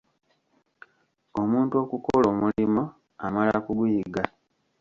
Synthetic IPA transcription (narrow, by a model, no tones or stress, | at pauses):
o̞muːntuo̞kukolo̞ːmulimo | amala̰kuɡujiɡa